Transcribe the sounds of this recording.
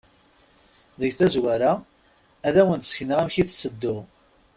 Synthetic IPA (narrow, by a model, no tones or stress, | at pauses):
ðəʝθæzwæɾæ | æðæwənt̪sçnəʁæmçiθt͡sːəd̪ːʊʁ